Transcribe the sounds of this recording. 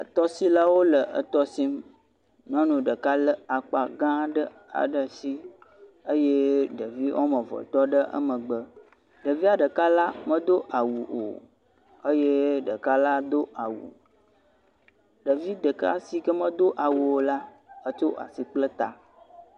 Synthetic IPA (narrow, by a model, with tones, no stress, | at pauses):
ə˨t̪ɔ˦si˦la˦wo˦lə˨ʔə̰˨t̪ɔ˦si˦m | nɔ̃˦nũ˨ɖə˨ka˦lə˦a˨k͡pa˨ɡã˦ɖə˦ | a̰˨ɖə˨si˦ | ə˦je˦ɖə˨vi˦wʔo̰˦mə̃˨vɔ̰˨t̪ɔ˦ɖə˦ʔə̰˦mə̃˨ɡ͡bə˦ | ɖə˨vi˦a˨ɖə˨ka˦la˦mə̃˦d̪o˦ʔa˨wu˨ʔo̰˨ | ə˦je˦ɖə˨ka˦la˦d̪o˦a˨wṵ˨ | ɖə˨vi˦ɖə˨ka̰˦si˨kə˦mə̃˦d̪o˦ʔa˨wu˨wo˨la˦ | ə˦t͡ʃo˦ʔa̰˨si˨k͡plə˦t̪a̰˨